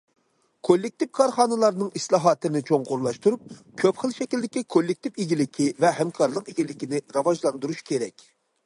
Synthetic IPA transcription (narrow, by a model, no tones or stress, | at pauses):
kʰolːɪk̚t̪ipkʰɑɾχɑːnɨlˠɑɾnɨŋislˠɑɦɑt̪ʰɨnɪt͡ʃʰoŋqoɾlˠɑʃt̪uɾup̚ | kʲʰøpχəlˠʃɛkʲilʲd̪ɪkʲikʰolːɪk̚ʲt̪ɪpiɡʲilɪkʲʰivɛɦɛmkʰɑɾlˠəqiɡʲilɪkʲinɪɾɑvɑʒlˠɑnd̪uɾuʃkʲʰeɾɛkʲ